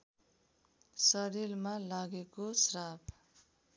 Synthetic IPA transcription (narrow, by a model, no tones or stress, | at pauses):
sʌɾilmalaɡekosrab